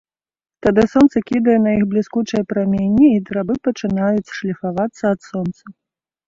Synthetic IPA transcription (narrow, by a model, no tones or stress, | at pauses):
t̪ad̪ɨsɔnt̪sɐkʲid̪ɐjɛnɐjixblʲiskut͡ʂɐjɐpɾamʲenʲːiːd̪ɾabɨpɐt͡ʂɨnajut͡sʲʂlʲifavat̪sːɐɐt̪sɔnt̪sɐ